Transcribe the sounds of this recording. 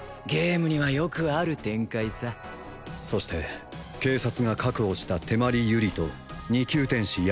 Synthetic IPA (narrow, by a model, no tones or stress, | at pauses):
ɡe̞ːmɯ̟ɲ̟iβajo̞kɯ̟aɾɯ̟t̪ẽ̞ŋkaisa | so̞ɕi̥t̪e̞ | ke̞ːsat͡sɨɡakakɯ̟oɕi̥t̪at̪e̞maɾʲijɯ̟ɾʲit̪o̞ | ɲ̟ikʲɨːt̪ẽ̞ɰ̃ɕij